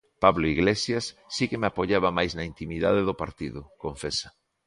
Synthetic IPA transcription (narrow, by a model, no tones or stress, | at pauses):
paβloiɣlesjasːikemapoʎaβamajznɐint̪imiða̰ðeðʊpaɾt̪iðʊkoɱfesḁ